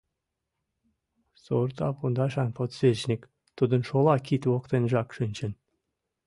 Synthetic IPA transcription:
sort̪ɑ̰pund̪ɑʃɑnpot̪svʲet͡ɕnʲik | t̪ud̪ə̆nʃolˠɑkit̪woqt̪enʒɑkʃənʲt͡ɕən

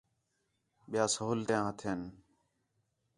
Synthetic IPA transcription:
ɓɪjaːsəɦuːlt̪jãːɦət̪ʰeːn

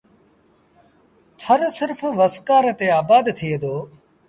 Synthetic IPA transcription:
t̪ʰəɾsɪɾfʋəskaːɾt̪eːaːbaːd̪t̪ʰied̪oː

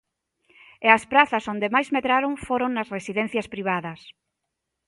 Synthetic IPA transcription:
ɛɐspɾaθɐsond̪emajzmeðɾaɾoŋfoɾoŋnɐsresiðɛn̟θjɐspɾiβ̞aðɐs

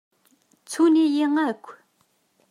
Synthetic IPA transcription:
t͡sʰonijəŋakʰ

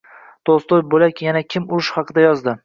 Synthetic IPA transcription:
t̪ʰost̪ojbolakʲjanakʲʰɪmʊɾɪʃhɑqʰɨd̪ajɒzd̪ɪ

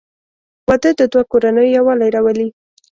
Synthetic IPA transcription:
wad̪əd̪əd̪wakoɾanəjojawɑlajɾawəli

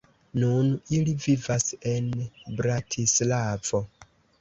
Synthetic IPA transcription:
nunilivivasenbɾatʰislav̥o

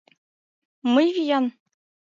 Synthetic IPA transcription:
mɤjvʲijɑn

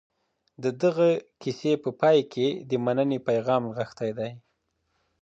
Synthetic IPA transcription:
d̪əd̪əɣakisepəpɑjkʰed̪əmanənepajɣɑmɣəxt̪ajd̪aj

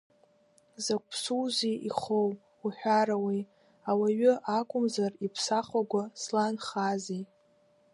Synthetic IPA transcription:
zakʷʼʰsuwziḭχow | uħᶣaɾawej | awaɥʊʔakʷʼʊmzaripʰsaχaɡʷaslanχazej

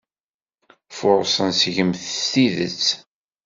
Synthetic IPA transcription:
fʊɾˤsˤənsʝəmθst̪iðə̰t͡sː

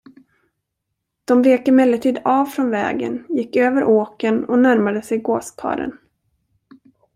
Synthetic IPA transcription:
d̪̥ɔmveːkəmɛlːəʈʰiːd̪aːvfɾɔnvɛ̰ːɡə̰njɪkːøːvəɾʔoːkənɔnæɾmad̪əsɛjɡoːskʰɑ̰ːɾə̰n

